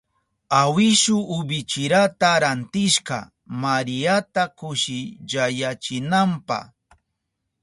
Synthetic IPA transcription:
awɪʃʊːbɪt͡ʃɪɾat̪aɾant̪ɪʃqɑ̰ | maɾɪjat̪akʊʃɪd͡ʒajat͡ʃɪnampa̰

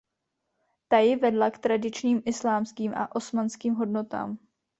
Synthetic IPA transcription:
t̪ajɪvɛdlakt̪ɾadɪt͡ʃɲiːmʔɪslaːmskiːmʔa̰ʔo̞smanskiːmɦo̞dno̞t̪a̰ːm

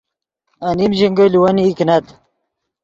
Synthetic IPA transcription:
ɐnimʑiŋɡɐliwɐniːknɐt̪

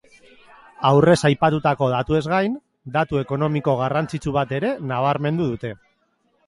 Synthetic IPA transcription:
awre̞sajpat̪ut̪ako̞ð̞at̪ue̞zɣajn | d̪at̪ueko̞no̞miko̞ɣ̞arant͡sit͡suβ̞at̪e̞ɾe̞naβ̞aɾme̞nd̪uðut̪e̞

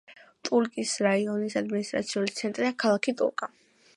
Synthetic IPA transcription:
t̪ʼuɾkʼisɾaiɔnisad̪minist̪ʼɾa̰t̪sʰiulit̪sʰɛnt̪ʼɾiakʰalˠakʰit̪ʼṵɾkʼa

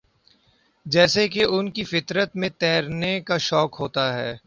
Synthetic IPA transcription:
d͡ʒɛːsekeʔʊnkifɪt̪ɾət̪mẽt̪ɛːɾnekaʃɔːkɦoːt̪aɦɛː

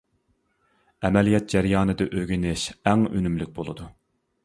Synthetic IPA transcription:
ɛmɛlijɛt̪̚d͡ʒæɾjɑːnɨd̪ɨʔøɡʲinɪʃæŋø̰nymlyk̚ʲbolˠɨd̪u

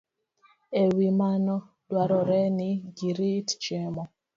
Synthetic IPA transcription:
ewimanɔ | dwaɾɔɾɛniɡiɾitt͡ʃɛmɔ

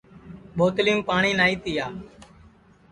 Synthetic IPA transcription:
ɓoːt̪liːũmpaːɳ̃iːnaːiːt̪ɪjaː

